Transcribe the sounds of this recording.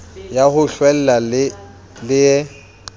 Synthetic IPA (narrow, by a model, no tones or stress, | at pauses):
jahʊɬwɛl̩lal | lɪjɛ